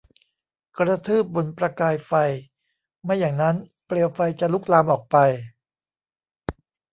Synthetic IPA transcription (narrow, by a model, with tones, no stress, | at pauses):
kɾa˧t̪ʰɯː˥˩p̚bo˧npɾa˧kaː˧jfa˧j | ma˧˥˩jːaː˨˩ŋna˦˥n | pɾi˨˩əwfa˧jt͡ɕa˨˩lu˦˥˩k̚laː˧mʔɔː˨˩k̚pa˧j